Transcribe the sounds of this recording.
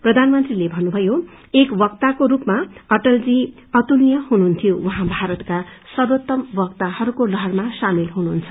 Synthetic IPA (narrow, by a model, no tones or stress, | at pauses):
prʌd̪ʱanmʌnt̪rilebʱʌnːubʱʌjo | ekbʌkt̪akoɾupmaʌʈʌld͡zi | ʌt̪ulijʌhunuɦunt̪ʰijowʌɦãbʱaɾʌt̪ka | sʌdot̪ːʌmbʌk̚t̪ahʌɾukolʌɦʌrmasamilɦunuɦːnt͡sʰʌ̥